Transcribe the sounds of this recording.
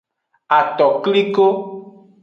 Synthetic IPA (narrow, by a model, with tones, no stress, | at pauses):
a˨t̪ɔ˨kli˦ko˦